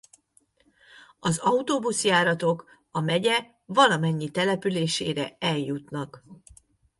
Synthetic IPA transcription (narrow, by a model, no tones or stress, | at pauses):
ɒzɒut̪oːbusjaːɾɒt̪o̞k | ɒmɛɟɛ | vɒlɒmɛɲːit̪ɛlɛpyleːʃḛːɾɛɛljut̪nɒk